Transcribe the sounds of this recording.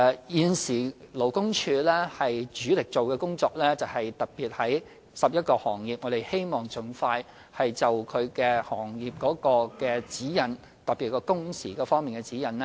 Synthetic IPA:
jiː˨˧nsiː˨˩lo˨˩wkʊ˥ŋt͡ʃʰyː˧lɛː˥hɐ˨jt͡ʃyː˨˥lɪ˨k̚t͡so˨wkɛː˧kʊ˥ŋt͡sɔː˧k̚lɛː˥t͡sɐ˨whɐ˨jt̪ɐ˨˩t̚piː˨t̚hɐ˨˥j | sɐ˨p̚jɐ˥t̚kɔː˧hɔː˨˩ŋjiː˨p̚ŋɔ˨˧ɾe˨jhe˥jmɔː˨˩ŋt͡sʊ˨ŋfaː˧j | hɐ˨jt͡sɐ˨wkʰɵ˨˧ɥkɛ˧hɔː˨˩ŋjiː˨p̚kɔː˨˥kɔː˧kɛː˧t͡siː˨˥jɐ˨˩n | t̪ɐ˨p̚pi˨t̚kɔː˧kʊ˥ŋsiː˨˩kɔː˧fɔː˥ŋmiː˨˩nkɛ˧t͡siː˨˥jɐ˨nlɛ˥

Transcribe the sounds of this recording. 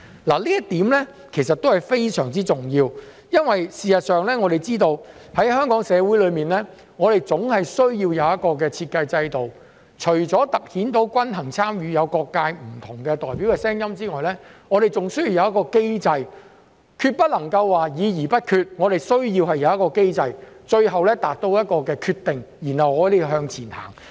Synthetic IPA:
la˨˩liː˥jɐ˥tt̪iː˨˥mlɛ˥ | kʰe˨˩jsɐ˨t̪o˥whɐ˨jfe˥jsœː˨˩ŋt͡siː˥t͡sʊ˨ŋjiː˧w | jɐ˥nwɐ˨jsiː˨sɐ˨t̚sœː˨ŋlɛː˥ŋɔ˨˧ɾe˨˩jt͡siː˥t̪o˧whɐ˨˥jhœː˥ŋkɔː˨˥ŋsɛː˨˧wu˨˥jlɵ˨˧ɥmiː˨nlɛː˥ | ŋɔː˨˧ɾe˨jt͡sʊ˨˥ŋhɐ˨jsɵ˥ɥjiː˧wjɐ˨˧wjɐ˥t̚kɔː˧k̬ɛː˧t͡sʰiː˧t̚kɐ˧jt͡sɐ˧jt̪o˨w | t͡ʃʰɵ˨˩ɥt͡sɔː˨˥t̪ɐ˨k̚hiː˨˥nt̪o˨˥wkʷɐ˥nɦɐ˨˩ŋt͡sʰaː˥mjyː˨˧jɐ˨˧wkɔː˧kːaː˧jm̩˨˩t̪ʰʊ˨˩ŋkɛː˧t̪ɔː˨jpi˨˥wkɛː˧sɛː˥ŋjɐ˥mt͡siː˥ŋɔː˨jlɛː˥ŋɔ˨˧ɾe˨˩jt͡sʊ˨ŋsɵ˥ji˧jɐ˨˧wjɐ˥tkɔː˧ke˥jt͡sɐ˧j | kʰyː˧t̚pɐ˥t̚lɐ˨˩ŋkɐ˧wːaː˨jiː˨˧jiː˨˩pɐ˥t̚kʰyː˧t̚ŋɔː˨˧t̪e˨jsɵ˥ɥjiː˧whɐ˨jːɐ˨˧wjɐ˥kɔː˧ke˥jt͡sɐ˧j | t͡ʃɵ˧ɥɦɐ˨wlɛː˥t̪aː˨k̚t̪o˧wjɐ˥t̚kɔː˧kɛː˧kʰyː˧t̪ɪ˨ŋjiː˨˩nhɐ˨wŋɔː˨˧d̪e˨jɦœː˧ŋt͡sʰiː˨˩nha̰ː˨˩ŋ

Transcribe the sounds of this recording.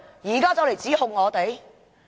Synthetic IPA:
jiː˨˩kaː˥t͡sɐ˨˥wle˨˩jt͡siː˨˥hʊ˨˧ŋːɔː˨˧t̪e˨˥j

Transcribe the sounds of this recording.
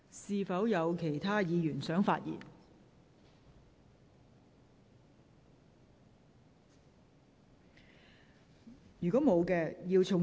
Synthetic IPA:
siː˧fɐ˨˥wjɐ˨˧wkʰe˨˩jt̪ʰaː˥jiː˨˧jyː˨˩nsœː˨˥ŋfaː˧t̚jḭ˨˩n | jyː˨kɔː˨˥mo˨˧wkɛː˧jiː˧wt͡sʰʊ˨˩ŋ

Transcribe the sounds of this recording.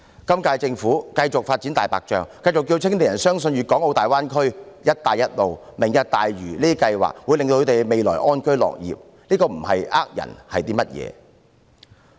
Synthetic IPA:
kɐ˥mkaː˧jt͡sɪ˧ŋfuː˨˥kɐ˧jt͡sʊ˨k̚faː˧t̚t͡si˨˥nt̪aː˨jpaː˨k̚t͡ʃœ̰ː˨ŋkɐ˧jt͡sʊ˨k̬ːjiː˧wt͡sʰɪ˥ŋt̪e˨˩jɐ˨˩nsœː˥ŋsɵ˧njyː˨˩kɔː˨˥ŋo˧wt̪aː˨jwaː˥nkʰɵ˥ɥjɐ˥t̚t̪aː˨˧jɐ˥t̚lo˨˧wmɪ˨˩ŋjɐ˧t̚t̪aː˨jɥyː˨˩liː˥t̪i˥kɐ˧jwa̰ː˨k̚wuː˨˧jle˨ŋto˧kʰɵ˨˧t̪e˨jme˨jlɔ̰ː˨˩jʔɔː˥nkɵ˥ɥlɔ̰ː˨k̚jḭː˨p̚ | nliː˥kɔː˧m̩˨˩hɐ˨jʔaː˥k̚jɐ̰˨˩nhɐ˨jt̪iː˥mɐ˥t̚jɛ̰ː˨˧

